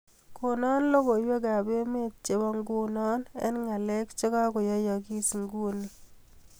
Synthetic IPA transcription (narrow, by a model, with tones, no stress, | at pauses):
ko˨nɔ˦nlo˦ko˨jwe˦ka˨be˦me˦t̚t͡ʃe˨ba˦ŋɡu˦nɔ˦nɛ̰˦nŋa˨le˦kt͡ʃe˦ka˦kɔ˨jɔ˦jɔ˨ki˦si˨ŋɡu˦ni˦